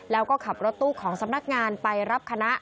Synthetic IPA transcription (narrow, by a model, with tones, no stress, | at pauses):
lɛː˦˥wkɔː˥˩kʰa˨˩p̚ɾo˦˥t̪ːuː˥˩kʰɔː˩˦ŋsa˨˧˦mna˦˥k̚ŋaː˧npa˧jɾa˦˥p̚kʰa˧na˦˥ʔ